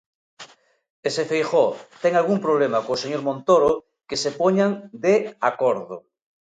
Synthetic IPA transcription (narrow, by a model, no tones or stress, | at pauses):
esefejxot̪eŋalɣumpɾoβ̞lemakoːseɲoɾmõnt̪oɾo | kesepoɲaŋd̪eakoɾðo